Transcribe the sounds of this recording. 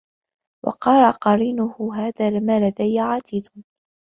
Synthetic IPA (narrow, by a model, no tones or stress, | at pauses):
wɑ̰qɑɾˤɑqɑɾiːnʊhʊɦaːðaːlɪmaːlad̪ajːʕaːt̪iːd̪